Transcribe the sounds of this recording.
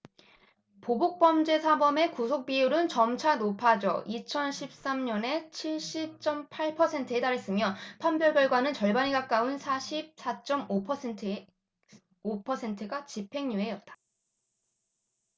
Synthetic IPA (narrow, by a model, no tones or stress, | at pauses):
pobok̚p͈ʌmd͡ʑe̞sʰabʌme̞kusʰok̚p͈iuɾɯnt͡ɕʌmt͡ɕʰanopʰad͡ʑʌ̰ʔit͡ɕʰʌnɕʰip̚s͈amɲʌne̞t͡ɕʰiɭɕ͈ip̚t͡ɕ͈ʌmpʰaɭpʰʌsʰe̞ntʰɯe̞t͈aɾes͈ɯmjʌpʰambjʌɭɡjʌɭɡwanɯnt͡ɕʌɭbaɲiɡak͈aɯnsʰaɕʰip̚s͈at͡ɕ͈ʌmopʰʌetʰɯ | opʰʌsʰe̞ntʰɯɡat͡ɕipʰe̞ŋɲuɦe̞jʌt̚t͈ḁ